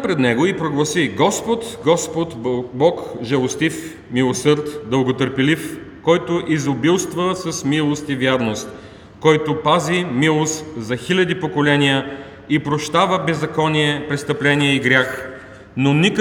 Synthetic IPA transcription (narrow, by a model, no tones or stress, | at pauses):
pɾɛd̪nɛɡoipɾoɡlˠɐsiɡɔspot̪ɡɔspot̪bɔkʒɛlˠost̪if | milˠosɤɾt̪d̪əlˠɡot̪əɾpɛlifkɔjt̪ʊʔizobilˠst̪vəsɐsmilˠost̪ivjaɾnost̪ | kɔjt̪opazimilˠost̪zɐxilʲɐd̪ipokolɛnijə | ipɾoʃt̪avəbɛzːɐkɔnʲiɛpɾɛst̪əplɛniɛiɡɾʲax | nonʲik